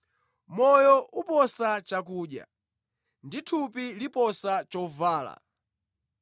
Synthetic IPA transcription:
mɔjɔʔupɔsat͡ʃak̬uːɗja̰ | nditʰupilipɔsat͡ʃɔvaːla̰

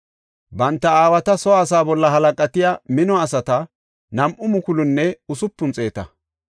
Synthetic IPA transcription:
bɐnt̪ːɐaːwɐt̪ɐsɔːsaːbɔlːɐɦɐlɐkʼɐt̪ɪjamɪnɔɐsɐt̪ɐ | nɐmʔʊmʊkʊlʊnːɛʊsʊpːʊnt͡sʼe̞ːt̪ɐ

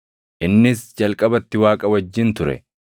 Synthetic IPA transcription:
ʔɪnːɪsd͡ʒɐlkʼɐbɐt̪ːɪwaːkʼɐwɐd͡ʒːɪnt̪ʊɾɛ̰

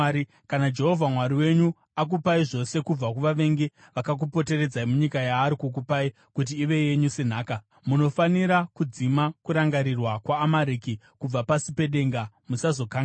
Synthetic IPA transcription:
i | kanad͡ʒe̞ɦo̞vʱamwaɾiwe̞ɲu | ak̬upaiʐo̞se̞kub͡vakuʋaʋe̞ŋɡe | ʋakak̬upo̞te̞re̞d͡zaimuɲikajaːɾikuk̬upai | kut̬iːʋe̞je̞ɲusen̤aːka | muno̞faniɾakud͡zimakuɾaŋɡaɾirwakwaːmaɾiki | kub͡vapasipe̞ɗe̞ŋɡa | musazo̞kaŋɡa

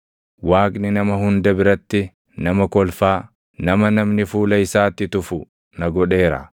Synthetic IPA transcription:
waːkʼnɪnɐmɐhʊnd̪ɐbɪɾɐt̪ːɪ | nɐmɐkɔlfaː | nɐmɐnɐmnɪfuːlɐɪsaːt̪ːɪt̪ʊfʊ | nɐɡɔᶑe̞ːɾɐ̰

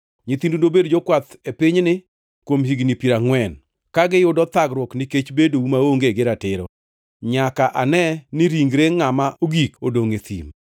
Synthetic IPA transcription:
ɲit̪indundobedd͡ʒɔkwat̪epɪɲnɪ | kwomhiɡnipiɾaŋwɛn | kaɡɪjʊdɔt̪aɡɾwɔknɪket͡ʃbedoumaoŋɡeɡɪɾatɪɾɔ̰ | ɲakaʔanɛnɪɾiŋɡɾeŋamaʔoɡikodoŋet̪ḭm

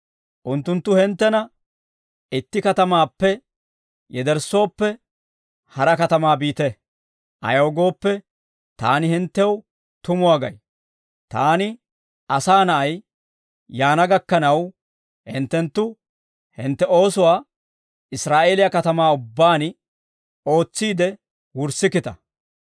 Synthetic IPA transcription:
ʔʊnt̪ːʊnt̪ːʊhɛnt̪ːɛnɐ | ɪt̪ːɪkɐt̪ɐmaːpːɛ | jɛd̪ɛɾsːo̞ːpːɛ | hɐɾɐkɐt̪ɐmaːbiːt̪ɛ | ʔɐ̰joːɡo̞ːpːɛ | t̪a̰ːnɪhɪnt̪ːɛw | t̪ʊmʊwaːɡɐ̰j | t̪aːnɪ | ɐsaːnɐʔɐj | jaːnɐɡɐkːɐnɐw | hɪnt̪ːɛnt̪ːʊ | hɪnt̪ːɛo̞ːsʊwaː | ɪsɾaːʔe̞ːlɪjɐkɐt̪ɐmaːʊbːaːnɪ | o̞ːt͡sːiːd̪ɛ | wʊɾsɪkɪt̪ɐ

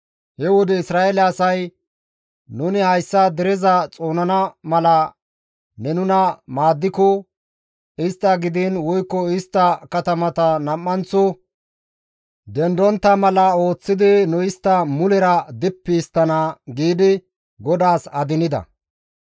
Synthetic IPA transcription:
hɛwɔd̪ɛɪsɾaːɛlɛɐsɐj | nʊnɪhɐjsːɐd̪ɛɾɛzɐt͡sʼo̞ːnɐnɐmɐlɐ | nɛnʊnɐmaːd̪ːɪkɔ | ɪst̪ːɐɡɪd̪ɪnwɔjkːɔɪst̪ːɐkɐt̪ɐmɐt̪ɐnɐmːɐnt͡sːɔ | d̪ɛnd̪ɔnt̪ːɐmɐlɐo̞ːt͡sːɪd̪ɪnʊɪst̪ːɐmʊlɛɾɐd̪ɪpːɪːst̪ːɐnaɡiːd̪ɪ | ɡɔd̪aːsɐd̪ɪnɪd̪ɐ̰

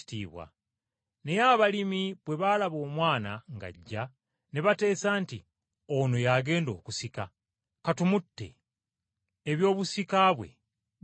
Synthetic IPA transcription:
tiːβwa̰ | ne̞jaβalimiβwe̞βalaβo̞ːmwaːna̰ŋɡa̰ɟːa | neβate̞ːsaːnti | ono̞jaɡe̞ːndo̞ːkusika | katumutːe̞̰ | βjo̞ːβusikaβwe̞̰

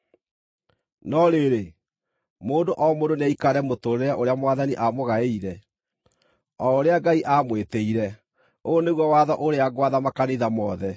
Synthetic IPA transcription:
nɔɾeɾe | moːndoʔɔmondonaikaɾɛmotoɾeɾaʔoɾeamwaðaniʔamoɣaeiɾɛ | ɔoɾeaɡaiʔamweteiɾɛ | oneɣwɔwaðɔʔoɾeaɡwaðamakaniðamɔːðɛ

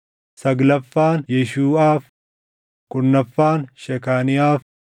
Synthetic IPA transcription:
sɐɡlɐfːaːnjɛʃuːaːf | kʊnːɐfːaːnʃɛkaːnɪjaːf

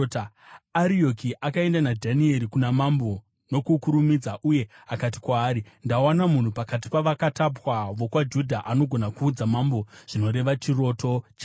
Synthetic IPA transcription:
aɾio̞kiʔakae̞ndanadʱanie̞ɾikunamambo̞ | no̞kukuɾumid͡zaʔuje̞ | akat̬i̥kwaːɾindawanamun̤upakat̬i̥paʋakatapwaʋo̞kwad͡ʒudʱaʔano̞ɡʱo̞nakuːd͡zamambo̞ʐ̥ino̞ɾe̞ʋat͡ʃiro̞tʰo̞t͡ʃa

